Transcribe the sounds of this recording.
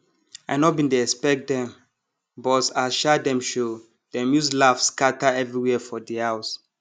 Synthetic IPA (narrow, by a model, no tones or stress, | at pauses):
ajnɔtbĩntuɛspɛk̚dɛ̃m | bɔsaʃadɛ̃mʃo | d̥ɛmjuslafskataɛvɹiwɛfɔdiaws